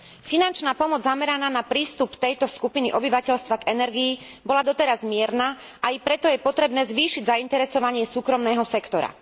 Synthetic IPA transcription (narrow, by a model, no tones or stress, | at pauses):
finant͡ʃnaːpɔmɔd͡zzamɛɾanaːnapɾiːst̪upt̪ɛjt̪ɔskupiniʔɔbiʋacɛʎst̪ʋaɡɛnɛɾɡiː | bɔlad̪ɔt̪ɛɾazmɪɛɾna | ʔaipɾɛt̪ɔjɛpɔt̪ɾɛbnɛːzʋiːʃiɟzaint̪ɛɾɛsɔʋaɲɪɛsuːkɾɔmnɛːɦɔsɛkt̪ɔɾa̰